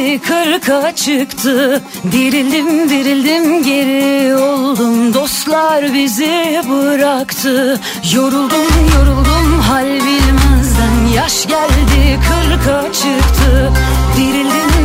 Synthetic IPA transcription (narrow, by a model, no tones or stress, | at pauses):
kʰɯɾkʰat͡ʃʰɯkt̪ʰɯ | d̪iɾilʲd̪imd̪iɾilʲd̪imɟe̞ɾiolˠd̪umd̪o̞st̪lˠaɾbizɪbɯɾakt̪ʰɯ | jo̞ɾulˠd̪umjo̞ɾulˠd̪umɦalʲbilʲmɪzd̪ænjaʃɟælʲd̪ɪkʰɯɾkʰat͡ʃʰɯkt̪ʰɯ | d̪iɾilʲd̪im